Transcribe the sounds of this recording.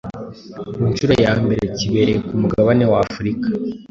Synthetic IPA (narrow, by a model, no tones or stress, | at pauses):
munʃuɾojaːmbe̞ɾe̞ciβe̞ɾe̞kumuɡaβane̞waːfuɾikḁ